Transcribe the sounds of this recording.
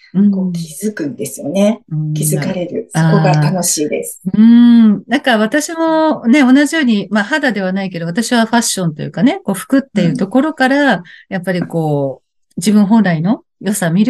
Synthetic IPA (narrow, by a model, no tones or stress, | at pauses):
ɯ̟̃koːkʲizɨkɯ̟̃nd̪e̞sɨjo̞ne̞ɯ̟̃kʲizɨkaɾe̞ɾɯ̟saoːo̞ɡat̪ano̞ɕiːd̪e̞̰sɨ̥ɯ̟̃nãŋkaβ̞at̪aɕimo̞ne̞o̞naʑijo̞ːɲ̟imahad̪ad̪e̞β̞anaike̞d̪o̞at̪aɕiβaɸaɕːõ̞nt̪o̞jɯ̟̰kane̞ko̞ːɸɯ̟̥kɯ̟t̪ːe̞ɯ̟t̪o̞ko̞ɾo̞kaɾajapːaɾʲiko̞ː | d͡ʑibɯ̟̃ɰ̃ɦõ̞nɾaino̞ | jo̞samʲiɾɯ̟